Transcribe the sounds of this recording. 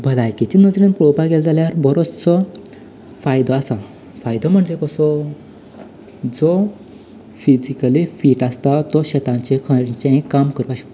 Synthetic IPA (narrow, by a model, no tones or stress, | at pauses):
bʱəlajkit͡ɕinəd͡zɾĩnpɾobaɡeld͡zaljaɾbəɾot͡st͡sɔ | fajd̪ɔasa | fajd̪ɔm̤əɳd͡zekɔsɔ | d͡zɔ | fid͡ʑikəlifiːʈast̪at̪ɔɕet̪ãɲt͡ɕẽkʰə̃ɾt͡ɕẽkːamkəɾupaɕi̥